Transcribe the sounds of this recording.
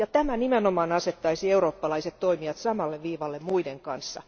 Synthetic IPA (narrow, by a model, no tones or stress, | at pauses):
jɑt̪æmænimenomɑːnɑset̪ːɑisieuroːpːɑlɑiset̪t̪oimiɑt̪sɑmɑlːeʋʋiːʋɑlːemmuideŋkɑnsːɑ̰